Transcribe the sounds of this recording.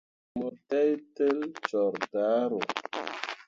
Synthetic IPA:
mo˨tɛ˦jte˦lt͡ʃɔ˨ɾda˨˦ɾo˨

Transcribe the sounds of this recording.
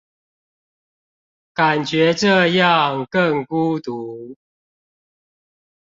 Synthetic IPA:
ka˨˩nt͡ɕɥɛ˨˦ʈ͡ʂɤ˥˧jɑ˥˨ŋkə˥˨ŋku˦t̪u˦

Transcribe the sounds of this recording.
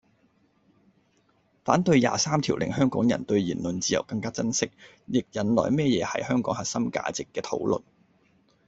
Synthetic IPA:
faː˨˥nt̪ɵ˧ɥja̰ː˨saː˥mt̪ʰiː˨˩wlʔɪ̰˨˩ŋhœː˥ŋkɔː˨˥ŋjɐ˨˩nt̪ɵ˧ɥjiː˨˩nlɵ˨nt͡siː˧jɐ˨˩wkɐ˧ŋkaː˥t͡sɐ˥nsɪ˥k̚ | jɪ˨k̚jɐ˨˥nlɔ̰ː˨jmɛː˥jɛː˨˧hɐ̰˨jhœː˥ŋkɔː˨˥ŋhɐ˨t̚sɐ˥mka̰ː˧t͡sɪ˨kːɛː˧t̪ʰo̰˨˥wlɵ̰˨n

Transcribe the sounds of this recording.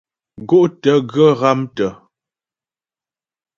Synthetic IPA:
ɡo˦˨ʔtə˨˦ɡə˦˨ɣa˦mtə˨

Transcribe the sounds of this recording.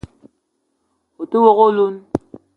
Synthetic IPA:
o˨to˦wo˨ɣo˦lu˦n

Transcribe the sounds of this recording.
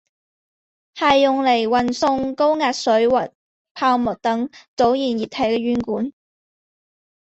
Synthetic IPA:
hɐ˨jːʊ˨ŋle˨˩jwɐ˨˩nsʊ˧ŋko˥wŋaː˨t̚sɵ˨˥wɐ˨˩t̚ | pʰaː˧wmʊ˨˩t̚t̪ɐ˨˥ŋt͡so˨˥wjiː˨˩njiː˨˩t̚hʰɐ˨˥jkɛ˧jyː˨˥nkuː˨˥n

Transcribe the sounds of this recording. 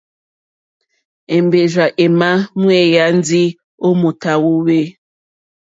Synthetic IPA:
e˨mbe˨ʒa˨ʔe˨ma˦mwe˦˨ja˦n˦d͡zi˦ | o˦mu˨ta˨wo˦we˦

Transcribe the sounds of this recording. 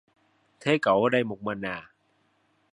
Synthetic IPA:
t̪ʰeː˦˥ka˨˩˦wa˧˦da˧jmo˨˩k̚ma˧nːaː˨˩

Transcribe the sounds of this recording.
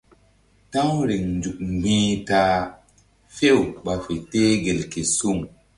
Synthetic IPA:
tã˦wɾe˨ŋnd͡ʒu˨kɡ͡bĩː˦taː˦ | fe˦wɓa˨fe˨teː˦ɡe˨lke˨su˦˨ŋ

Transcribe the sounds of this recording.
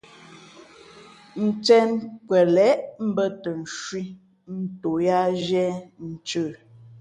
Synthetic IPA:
n̩˨t͡sɛ˦nkwɛ˨lɛ˨˦ʔm̩˦bə˦tə˨n̩˨ʃwi˦ | n̩˦to˨ja˦ʒɛ˦n̩˨t͡ʃəː˦˨

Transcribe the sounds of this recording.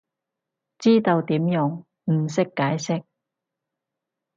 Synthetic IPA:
t͡siː˥t̪o˧wt̪iː˨˥mjʊ˧˥ŋ | m̩˨˩sɪ˥kːaː˨˥jsɪ˥k̚

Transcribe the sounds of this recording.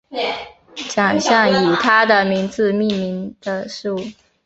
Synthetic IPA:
t͡ɕjɑ˨˩ŋɕjɑ˥˩ŋy˨˩t̪ʰa˥d̪ə˨mi˧˥ŋt͡sɹ̩˧mi˥˩nmi˧˥ŋd̪̥ə˧ʂu˥˩

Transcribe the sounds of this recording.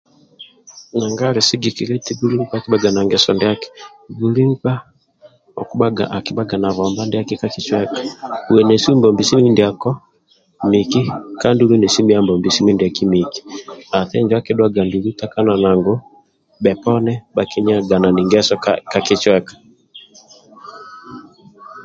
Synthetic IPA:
na˨ŋɡa˦ɾe˨si˦ɡi˨ki˨ɾe˦ti˦ɡu˦ɾi˦ŋ̩˦pa˦˨ki˦baɡa˨na˨ŋɡɛsɔ˨nde˦a˦kɛ̥˨ | ɡu˨ɾi˦ŋ˦ka˦ | ɔ̰˨ku˦aa˨ki˦ba˦ɡa˨na˨βa˨mba˦ndɛ˦a˦kɛ˦kaki˨t͡ʃwɛ˦kḁ˨u˨wɛ˨nɛ˨su˦mbɔ˨mbi˨si˦i˦ndi˨a˨kɔ˦ | mi˨ki˦ka˦ndu˦ɾu˦nɛ˨si˦mi˦a˦mbɔ˨mbi˨si˦mi˦ndi˨a˨ki˦mi˨ki̥˨a˨θɛ˦ɲd͡ʒwa˦kɛ˦dwaɡa˨ndu˨lu˦ta˦ka˦na˨na˨ŋɡɔ˦ | bɛ˨pɔ˦nɛ˦ba˨ki˦ɲ˦a˨ɡa˨na˨ni˨ŋɡɛsɔkaki˦t͡ʃwɛkḁ˨

